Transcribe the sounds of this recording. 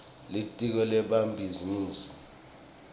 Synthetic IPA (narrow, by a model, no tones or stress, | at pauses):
litʼik̬ɔlɛɓambʱiziniːsi̥